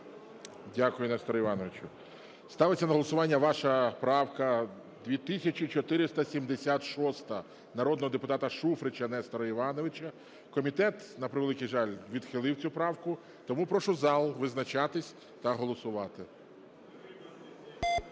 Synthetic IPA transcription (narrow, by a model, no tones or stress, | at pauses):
dʲakʊjʊnɛst̪ɔɾɔiʋɑnɔʋet͡ʃʊ | st̪ɑʋɪt͡sʲːɐnɐɦɔlˠɔsʊʋɑnʲːɐʋɑʃɐpɾɑwkɐ | d̪ʲʋʲit̪ɪsʲɐt͡ʃit͡ʃɔt̪ɪɾɪst̪ɐsʲimd̪esʲat̪ʃɔst̪ɐ | nɐɾɔd̪nɔɦɔd̪epʊt̪ɑt̪ɐʃufɾɪt͡ʃɐnɛst̪ɔɾɐiʋɑnɔʋɪt͡ʃɐ | kɔmʲit̪ɛt̪nɐpɾɪʋelˠɪkijʒɑlʲʋʲid̪xɪlˠɪwt͡sʲupɾɑwkʊ | t̪ɔmupɾɔʃʊzɑlˠʋɪznɐt͡ʃɑt̪ɪsʲ | t̪ɐɦɔlˠɔsʊʋɑt̪ɪ